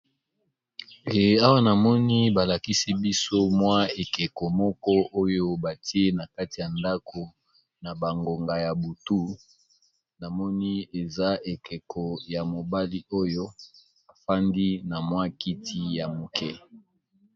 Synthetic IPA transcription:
e˨e˨a˦wa˦na˨mɔ˦ni˦ba˨la˨ki˦si˦bi˦so˦mwa˦e˨ke˨ko˨mɔ˦kɔ˦ʔo˦jo˦ba˨ti˦e˦na˨ka˦ti˨ja˨nda˦ko˨ | na˨ba˨ŋɡo˨ŋɡa˨ja˨bu˨tu˦ | na˨mɔ˦ni˦e˨za˦e˨ke˨kʰɔ˨ja˨mo˨ba˦li˦o˦jo˦ | a˨fa˦ndi˦na˨mwa˦ki˦ti˦ja˨mo˨kʰɛ˦

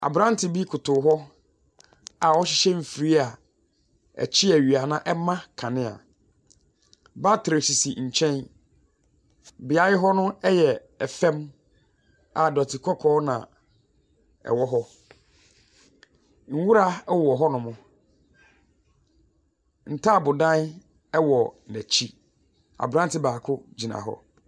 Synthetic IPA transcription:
a̰˨bɾã˦n˦tʰɪ˨bi˦kʰʊ˨tʊ˨˦ɦɔ˦ | a˨ɔ˦ɕɪ˦ɕɛ˦m̩˨fi˨ɾi˦a˨ | ɛ̰˨t͡ɕʰɪ˦æ˨ɥi˨a˨nã˦ʔɛ˦mã˦kʰã˨nɪ̃˦a̰˨ | ba˦tʰɾe˨si˨si˨ɲ̩˨t͡ɕʰɛ̃˦n | bɪ˨a˦jɪ˦ɦɔ˦nʊ̃˦ɛ˦jɛ˨ | ɛ˨fɛ̃˦m | a˨dɔ˨tʰɪ˨kʰɔ˦kʰɔː˦nã̰˨ | ɛ̰˨wɔ˦ɦɔ˦ | ŋ̩˦wu˦ɾa˦wɔ˨ɦɔ˦nʊ̃˨mʊ̃˦ | n̩˨tʰa˦˨bʊ˨dã˦n˦ | ɛ˦wɔ˨næ˨t͡ɕʰi˦ | a̰˨bɾã˦n˦tʰɪ˦baː˨kʰʊ˦d͡ʑi˨nã̰˨ɦɔ̰˦

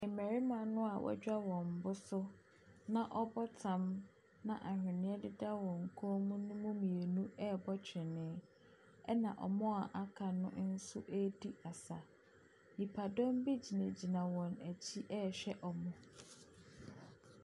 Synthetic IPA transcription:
ɛ˨mæ˨ɾi˦mã˨nʊ̃˦a˨wʔɔ̰˦d͡ʑᶣa˦wɔ̃˨m̩˨bʊ˦sʊ˦ | nã˦ʔɔ˦bɔ˦tʰã˨m | nã˦˨ʔa˨hᶣɪ˨nɪ̃˦ɛ˦dɪ˦da˦wɔ̃˨ŋ̩˨kʰɔ˦mũ˦nʊ̃˦mʊ̃˦mĩ˨e˨nũ˦ɛ˦bɔ˦t͡ɕʰᶣɪ˨nɪ̃˨˦ | ɛ˦nã˨ʔɔ̰˨mɔ̃˦a˨ʔa˦kʰa˨nʊ̃˦n̩˦sʊ˦ʔæ˦di˦a˨sa˨ | nĩ˨pʰa˨dɔ̃˦m˦bi˦d͡ʑi˨næ̃˨d͡ʑi˨nã˨wɔ̃˨næ˨t͡ɕʰi˦ʔɛ˦ɕᶣɛ˦ʔɔ˨mʊ̃˨

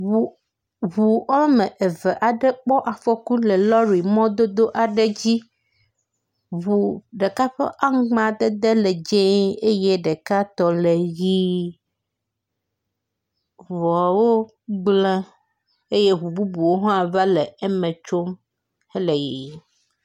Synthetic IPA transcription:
u˨ | ɦu˨ɔ˦mɛ̃˨ʔe˨vɛ˨ʔa˨ɖɛ˦k͡pɔ˦ʔa˨fɔ˦ku˦lɛ˨lɔ˦ɾi˨mɔ̃˦d̪o˦d̪o˦ʔa˨ɖɛ˦d͡ʑi˦ | βu˨ɖe˨ka˦ɸɛ̰˦ʔa˦ŋ˦ɡ͡bã˨d̪ɛ˦d̪e˦lɛ˨d͡ʒẽ˦e˦je˦ɖɛ˨ka˦t̪ɔ˨le˨ji˦ | vɔ˨wo˦ | ɡ͡blɛ̃˦ | e˦je˦ɦu˨bu˦bu˨wo˦ɦɔ˦a˨va˦lɛ˨ɛ˦mɛ̃˨t͡ʃo˦m | hɛ˦le˨ji˨

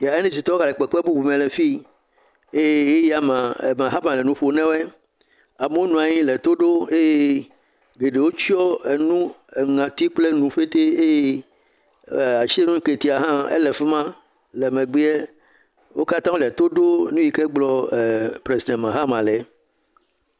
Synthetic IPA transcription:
ja˨e˦nẽ˦si˨t̪ɔ˦ɣa˨lɛ˨k͡pɛ˨k͡pɛ˦bu˦bu˨mɛ̃˨lɛ˨fi˦ | e˦je˦je˦ja˦mã˨ḛ˨mã˨ɦa˦mã˨lɛ˨nũ˦ɸo˨nɛ̃˦wɛ˦ | a˨me˦o˦nũ˨a˨ɲĩ˦lɛ˨t̪o˦ɖo˦e˦je˦ | ɡe˨ɖe˨wo˦t͡ɕi˦ɔ˦e˨nũ˦e˨ŋã˨t̪i˦k͡ple˦nũ˨ɸe˦t̪e˦e˦je˦˨ | a˨t͡ʃi˦e˦nũ˦ŋ̩˦ke˨t̪i˨˦a˨ɦã˦ḛ˦lɛ˨fe˦mã˦ | lɛ˨mẽ˨ɡ͡be˦ɛ˦ | wo̰˦ka˦t̪ã˦o˦lɛ˨t̪o˦ɖo˦nũ˦ji˨ke˦ɡ͡blɔ˦˨pɾe˨zi˨d̪ɛ̃˨mã˨ɦa˦mã˨lɛ˨

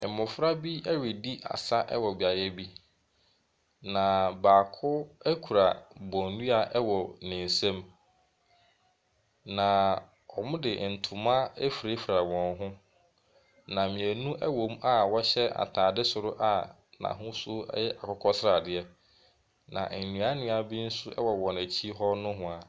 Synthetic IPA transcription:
ɛ˨mʊ̃˨fɾa˦bi˦ɛ˦ɥe˨di˦ʔa̰˨sa˦ʔɛ̰˦wɔ˨bi˨a˨jɛ˦bi˦ | nã˨baː˨kʰʊ˦æ˦kʰu˨ɾa˨bɔ̃˨ndũ˦a˨ʔwɔ˨nɪ̃˨n˨sã˦m | nã˨ | ɔ˨mʊ̃˦dɪ˨n̩˨tʰʊ̃˨mã˦e˦fi˨ɾe˦fi˨ɾa˨wɔ̃˨nɦʊ̃˦ | nã˨mɪ̃˨æ˨nũ˦ʔɛ˦wõ˨m˦a˦wɔ˦ɕɛ˦a̰˨tʰãː˨dɪ˦sʊ˨ɾʊ˦ʔa˦ | nã̰˨ɦʊ̃˦sʊ˦ɛ̰˦jɛ˦ʔa˨kʰɔ˦kʰɔ˦sɪ˦ɾa˨dɪ˦ɛ˦ | nã̰˨nũ˨a˦nɪ̃˨˦a˨bi˦n̩˦sʊ˦ɛ̰˦wɔ˨wɔ̃˨næ˨t͡ɕʰi˦ɦɔ˦nʊ̃˦ɦʊ̃˨a˨

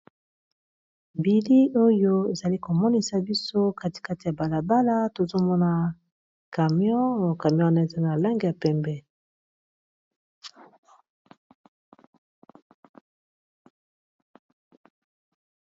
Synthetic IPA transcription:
mbi˨li˦o˦jo˦e˨za˨li˦ko˨mɔ˦ni˦sa˨bi˦so˦ka˦ti̥˨ka˦ti˨a˨ba˨la˨ba˦la˦to˨zo˦mɔ˦na˦ | ka˨m˦ɔ̃˦˨ka˨mjɔ̃˦˨na˦˨za˦na˨la˦ŋɡi˨ja˨pɛ˨mbɛ˦

